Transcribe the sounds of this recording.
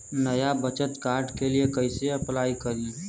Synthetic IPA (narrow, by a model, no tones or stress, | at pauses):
nəjabət͡ʃət̪kaːɾɖkeliekəɪseɐplaːikəɾi